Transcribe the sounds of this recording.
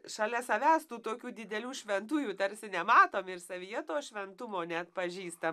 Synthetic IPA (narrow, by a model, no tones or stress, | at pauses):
ʃɐlʲɛsɐʋʲæːst̪uːt̪oːkʲuːd̪ʲɪd̪ʲɛlʲuːʃʲʋʲɛnt̪uːjuːt̪ɐɾʲsʲɪnʲɛmɑːt̪oːmɪrsɐʋʲijɛt̪oːʃʲʋʲɛnt̪ʊmoːnʲɛɐt̪pɐʒʲiːst̪ɐm